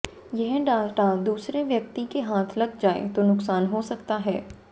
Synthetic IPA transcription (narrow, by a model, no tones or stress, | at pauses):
jɛɦɖaːʈad̪uːsɾeʋjɐk̚t̪ikeɦaːt̪ʰlɐɡ̚d͡ʒaːḛt̪onʊksaːnɦosɐkt̪aɦɛː